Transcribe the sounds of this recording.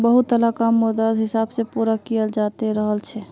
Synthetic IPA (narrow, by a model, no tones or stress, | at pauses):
bəɦut̪ːəlakamːod̪ad̪ɦɪsabsepuɾakijəld͡ʒat̪eɾəɦəlt͡ʃʰɛ